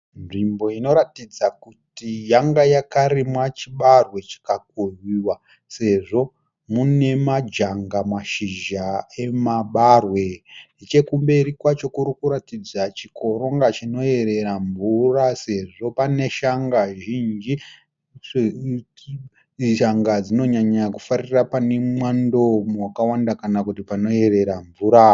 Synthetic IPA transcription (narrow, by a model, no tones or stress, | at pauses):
nʐimbo̞ino̞ɾatid͡zakutijaŋɡajakaɾimwat͡ʃiɓarwe̞t͡ʃi̥kak̚ujiwa | se̞ʐo̞ | mune̞mad͡ʒaŋɡamwaʃiʒae̞maɓarwe̞ | it͡ʃe̞kumbe̞ɾikwat͡ʃo̞kuɾikuɾatid͡zat͡ʃikʰo̞ɾo̞ŋɡat͡ʃino̞e̞ɾe̞ɾaɱvurase̞ʐo̞pane̞ʃaŋɡaʒind͡ʒi | ʃaŋɡad͡zino̞ɲaɲakufarirapane̞mwando̞mwakawandakanakutipano̞e̞ɾe̞ɾaɱvuɾa